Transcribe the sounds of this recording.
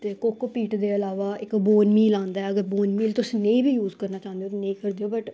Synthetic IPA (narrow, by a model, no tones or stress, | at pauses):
t̪eːkoːkopiːʈd̪eːəlaːʋaːɪkboːnmiːlãːnd̪aɛːəɡəɾboːnmiːlt̪ʊsĩːnẽĩːbʱiːjuːzkəɾnaːt͡ʃãːnd̪eoːt̪enẽĩːkəɾd̪eːoːbəʈ